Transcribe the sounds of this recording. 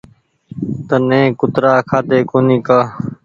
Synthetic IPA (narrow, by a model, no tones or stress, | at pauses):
t̪ənẽːkʊt̪ɾaːkʰaːt̪eːkoːnĩːkaː